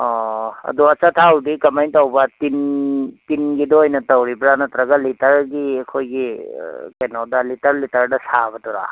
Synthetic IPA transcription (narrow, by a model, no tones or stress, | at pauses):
ɔːɐ̰d̪uɐt͡ʃat̪ʰaːwd̪ikɐmɐjnt̪ɐwbat̪int̪inɡid̪ojnɐt̪ɐwɾibɾanɐt̪ɾɐɡɐlit̪ɐɾɡiekʰoɡikɐjnɐwd̪alit̪ɐɾlit̪ɐɾɖɐsaːbɐt̪uɾa̰